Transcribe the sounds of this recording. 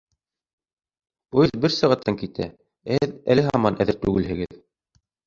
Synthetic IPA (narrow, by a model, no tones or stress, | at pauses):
ujðbɘɾsɑʁɑt̪ːɑŋkit̪ʰæ̰ | æhɘðæ̰lɘɦɑɑmɑnæðɘɾt̪ʉɡɘ̆lhɘ̆ɡɘð